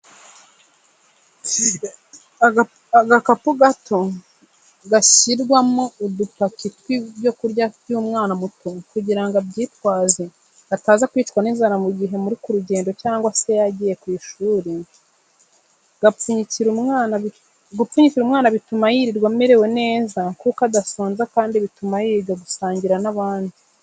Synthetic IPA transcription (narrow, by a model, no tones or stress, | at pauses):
aɡakapuɡatʰo̞ | ɡasiɾɡwamoudupakitwibjo̞kuɾɟajuːmŋaːnamutokuɟiɾaŋɡabɟiːtwaːze | ataːzakwiːtwanizaɾamuɟiɦe̞muɾikuɾuɟe̞ːndocaːŋɡwase̞jaɟiːje̞kwiːʃuːɾi | ɡauɲiciɾumana | ɡupuɲiciɾumŋaːnaβitumajiɾiɾɡwamiɾe̞we̞ne̞ːzakukadasoːnzakaːndiβitumajiːɾiɾɡaɡusaːɲɟiɾanaβaːndi